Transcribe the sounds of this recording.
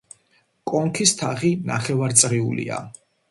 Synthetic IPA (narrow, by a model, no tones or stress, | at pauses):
kʼɔŋkʰist̪ʰaχina̰χɛvaɾt̪sʼʁiṵlḭa̰